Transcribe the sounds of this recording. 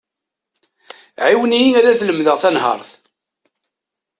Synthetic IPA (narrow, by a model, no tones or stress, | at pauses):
ʕiwnijiŋæɾæθləmðəʁθænhɑ̰ɾˤθ